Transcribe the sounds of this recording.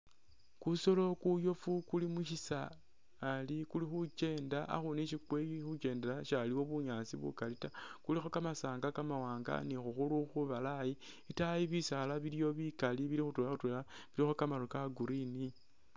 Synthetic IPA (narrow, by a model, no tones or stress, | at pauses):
kuso̞lo̞kujo̞fukulimuʃisaː | likulixut͡ʃe̞ːndaa̰xuneʃikweixut͡ʃe̞ːndeɾaʃaliwo̞βuɲaːsḭβṵkalitakulixo̞kamasaːŋɡakamawaːŋɡa̰nixuxuluxuβalaji | itajiβisalaβiljo̞βikaliβilixutulaxutwulaβilixo̞kamalokaɡuɾini